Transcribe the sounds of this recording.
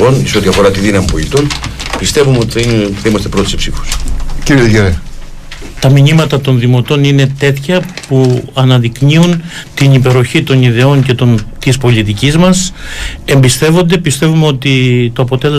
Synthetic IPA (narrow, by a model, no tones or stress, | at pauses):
o̞nseo̞t̪iɐfo̞ɾɐt̪iðinɐmipo̞lit̪onpist̪e̞vumeot̪iθθɐimɐst̪e̞pɾo̞t̪i̥sipsifo̥sciɾieʝeɾe | t̪ɐminimɐt̪ɐt̪o̞nðimo̞t̪o̞nine̞t̪e̞t̪çɐpuɐnɐðikɲiun | t̪inipe̞ɾoçit̪o̞niðe̞o̞nce̞t̪o̞nt̪ispo̞lit̪icizmɐse̞mbist̪e̞vo̞nd̪e̞pist̪e̞vumeo̞t̪it̪o̞ɐpo̞t̪e̞le